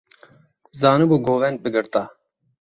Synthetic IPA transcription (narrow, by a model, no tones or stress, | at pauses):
zaːnubuɡoːʋɛnd̪̚bɨɡɨɾt̪a